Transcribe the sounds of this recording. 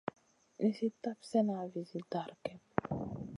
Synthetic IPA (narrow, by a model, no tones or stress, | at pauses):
nesit̪apsɛnavizid̪aɾkɛ